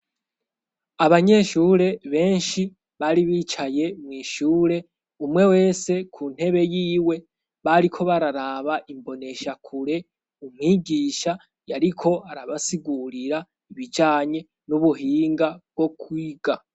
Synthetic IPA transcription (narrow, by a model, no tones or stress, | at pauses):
aβaɲe̞ʃuːɾe̞βe̞ːnʃi | βaɾiβiːt͡ʃajemŋiːʃuːɾe̞ | umŋe̞we̞ːse̞kʰun̥he̞βe̞jiːwe̞ | βaɾikʰo̞βaɾaɾaβaʔimbo̞ne̞ʃakʰuɾe̞ | umŋiːɡiːʃa | jaɾikʰo̞aɾaβasiɡuɾiɾa | iβid͡ʒaːɲe̞ | nuβuɦiːŋɡab̚ɡo̞kwiːɡa